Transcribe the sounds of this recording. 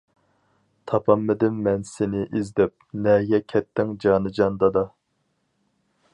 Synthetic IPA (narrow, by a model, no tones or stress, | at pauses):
t̪ʰɑpʰɑmːɪd̪ɪmːɛnsɪnɪʔizd̪ɛp̚nɛɡʲɛkʲʰɛt̪ʰːɪŋd͡ʒɑːnɨd͡ʒɑnd̪ɑd̪ɑ